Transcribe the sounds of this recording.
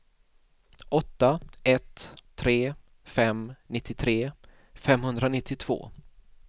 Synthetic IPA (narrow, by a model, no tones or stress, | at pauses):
ʔɔt̪ːaɛt̪ʰːɾeː | fɛmnɪt̪ʰːɪt̪ʰɾeː | fɛmhɵnd̪ɾanɪt̪ʰːɪt̪ʰv̥o̰ː